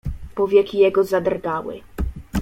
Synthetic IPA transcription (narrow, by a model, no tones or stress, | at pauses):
pɔvʲjɛkʲijɛɡɔzad̪rɡawɘ̰